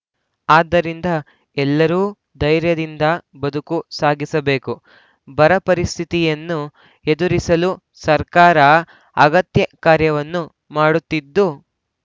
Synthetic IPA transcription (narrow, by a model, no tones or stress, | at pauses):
aːd̪ːɐɾind̪ɐ | ɛlːɐɾuː | d̪ɐjɾjɐd̪ind̪ɐbɐd̪ukusaːɡisɐbe̞ːku | bɐɾɐpɐɾist̪ʰit̪ijɐnːu | ed̪uɾisɐlu | sɐɾkaːɾɐ | ɐɡɐt̪jɐkaːɾjɐʋɐnːu | maːɽut̪ːid̪ːu